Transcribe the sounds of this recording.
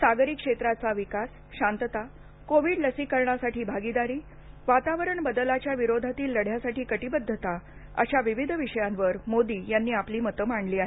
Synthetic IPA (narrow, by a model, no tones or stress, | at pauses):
saɡɾikʂet̪ɾat͡saʋikas | ɕant̪ət̪a | koʋiːɖləsikəɾɳasaʈiːbʱaɡid̪aɾiː | ʋat̪aʋəɾəɳbəd̪əlat͡ɕjaʋiɾod̪ʱat̪iːlːəɽ̤jasaʈiːkəʈibəd̪ʱːət̪a | ə̰ɕaʋiʋid̪ʱʋiʂəjanʋəɾmod̪iːjanːiːapliːmət̪əmaɳliːaɦe